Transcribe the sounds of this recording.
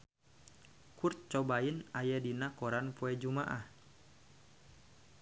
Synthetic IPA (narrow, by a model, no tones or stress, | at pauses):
kurt̪̚t͡ʃɔbainajadinakɔɾanpɔɛd͡ʒumaʔah